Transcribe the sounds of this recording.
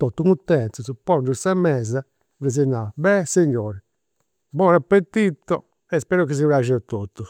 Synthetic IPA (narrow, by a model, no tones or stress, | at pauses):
t̪ot̪ːuŋut̪ːɛnsuzupɔnduɾsamɛza | vizinːabɛsiɲːɔːɾi | bɔɾapːet̪ːit̪ɔ | ɛspɛːɾɔkis̬ivɾaʒɛt̪ot̪ːu